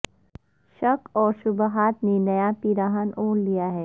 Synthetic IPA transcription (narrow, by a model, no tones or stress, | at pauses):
ʃɐkɔːɾʃʊbɦaːt̪nenɐjapiɾaːɦənoːnlijaɦɛː